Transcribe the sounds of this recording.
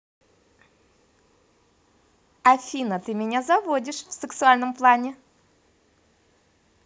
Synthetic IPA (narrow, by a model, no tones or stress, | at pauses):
ɐfʲinət̪ɨmʲɪnʲazɐvodʲɪʂfsɨksʊalʲnəmplˠanʲɪ